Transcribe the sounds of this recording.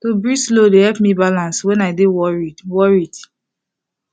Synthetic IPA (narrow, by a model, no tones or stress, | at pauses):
tobɹislodehɛlpmibalãnswɛ̃naɪdewɔɹiwɔɹid̥